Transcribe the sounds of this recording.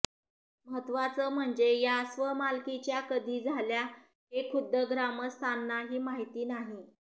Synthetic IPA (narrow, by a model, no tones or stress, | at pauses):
məɦət̪ːʋat͡səːm̤əɳd͡zejasʋəmalkit͡ɕjakəd̪iːd͡zʱalja | ɦekʰud̪ʱəɡɾaməst̪ʰanːaɦiːmaɦit̪iːnaɦi